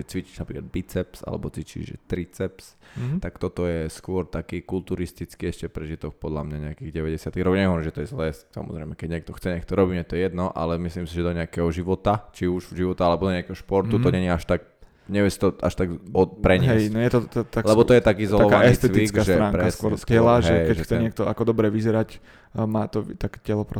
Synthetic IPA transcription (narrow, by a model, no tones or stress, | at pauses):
ɛt͡sʋit͡ʃi̥ʒnapɾiːklad̪bit͡sɛpsa̰lɛ̰bɔt͡sʋit͡ʃḭʒʒɛ̰t̪ɾit͡sɛpst̪akt̪ɔt̪ɔjɛskʊɔɾt̪akiːkult̪uɾist̪it͡skiːɛʃcɛpɾɛʒit̪ɔxpɔd̪lamɲaɲɛakiɣɟɛʋɛɟɛsɪat̪iɣɾɔkːɲɛiɦɔʋɾmʒɛt̪ɔjɛzlɛːssa̰mɔ̰zɾɛ̰ɪmɛkɛɟɲɛkt̪ɔxt͡sɛɲɛk̚t̪ɔɾɔbiːmɛt̪ɔjɛjɛd̪nɔʔa̰lɛmislimsiʒɛd̪ɔɲɛakɛɦɔʒiʋɔt̪at͡ʃiuʒvʒiʋɔt̪aalɛbɔd̪ɔɲɛakɛɦɔʃpɔɾt̪ut̪ɔɲɛɲiaʃt̪ak̚ | ɲɛʋɛsi̥t̪ɔʔa̰ʃt̪aɡɔpɾɛɲɪɦɛjsnɔjɛt̪ɔt̪t̪aklɛbɔɔjɛt̪akiːzɔlalɔʋanɛist̪ɛʋ̪iit͡skasʒɛt̪ɾaːŋpɾkɛasskʊɔɾzɛlaʒɦɛkɛcʒɛxt͡sɛɲɪɛkt̪ɔʔakɔd̪ɔbɾɛʋizɛɾac | maːt̪ɔt̪akcɛlɔpɾɔ